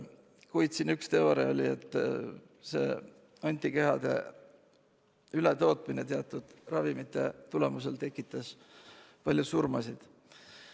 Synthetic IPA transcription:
kujd̪t̪sinykst̪eoɾeo̞lʲie̞t̪ːˑ | se̞̰ː | ɑnʲt̪ʲˑːike̞ɦɑd̪̥e̞̰ | ylet̪o̞ːt̪ˑmine̞t̪eɑt̪ːˑud̪̥rɑvimit̪ːˑe̞t̪ule̞muse̞lt̪e̞kːˑit̪ːˑɑs | pɑlʲjusurmɑsid̪̥

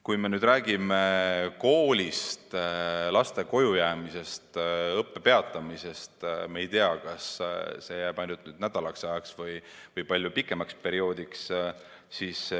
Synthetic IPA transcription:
kujme̞nyːd̪ɾæːɡ̥imeko̞ːlʲist̪lɑst̪e̞ko̞jujæːmise̞st̪ɤpːe̞pe̞ɑt̪ːˑɑmise̞st̪meejt̪eɑkɑsse̞jæːb̥ɑjnut̪ˑnyːd̪̥̚næd̪̥ɑlɑksɑeksvɯjvɤjpɑlʲjupikːˑe̞mɑkspe̞ɾio̞ːd̪̥iks | sis

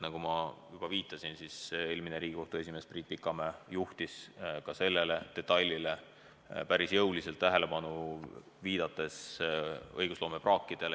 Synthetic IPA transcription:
nɑɡ̥umɑjub̥ɑviːt̪ːˑɑsinsise̞ːlmine̞ɾiːɡiko̞ht̪ue̞s̬ʲime̞ːspriːt̪̚pːikːˑɑmejuht̪iskɑse̞lːe̞le̞t̪e̞t̪ːɑlʲːile̞ | pæɾisjɤwlise̞lt̪ːæɦe̞le̞pɑnu | viːd̪̥ɑt̪ːˑe̞s | ɤ̰jɡ̥uslo̞ːmeprɑːkːid̪̥e̞l

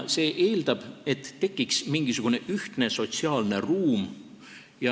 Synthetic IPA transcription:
se̞ːʔe̞ːld̪̥ɑb̥e̞t̪ːe̞kːiksmiŋɡ̥isuɡ̥une̞ʔyht̪ne̞so̞t̪siɑːlne̞ruːm | jɑ

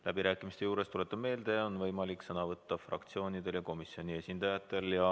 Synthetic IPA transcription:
læbiɾæːkːˑimist̪ejuːɾe̞st̪ulet̪ːˑɑ̥me̞ːld̪̥e̞o̞nvɤjmɑliksɤnɑvɤt̪ːɑfrɑ̰kt̪sio̞ːnid̪̥e̞ljɑko̞misio̞nʲie̞sʲind̪̥ɑjɑt̪ːˑe̞ljɑ

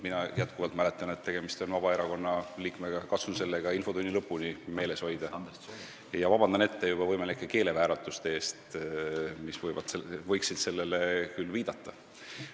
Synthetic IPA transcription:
minɑjæt̪kuvɑlt̪mæle̞t̪ːˑɑnet̪ːe̞ɡ̥emist̪o̞nvɑb̥ɑe̞ɾɑko̞nːɑliːkmeɡɑkɑt̪sunse̞lːeɡ̥ɑinfo̞d̪unʲːilɤpːunʲime̞ːle̞sho̞jd̪̥ɑ | jɑvɑbɑnd̪ɑne̞t̪ːe̞jub̥ɑvɤjmelikːˑeke̞ːle̞væːɾɑt̪ːˑust̪eeːst̪ | misvɤjvɑ̰d̪̥sevɤjksid̪̥se̞lːe̞le̞kylːviːd̪̥ɑt̪ːˑɑ

